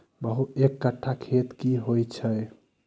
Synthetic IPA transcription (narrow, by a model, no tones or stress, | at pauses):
bəɦut̪ekːəʈʰːakʰet̪kiɦojt͡ʃʰəj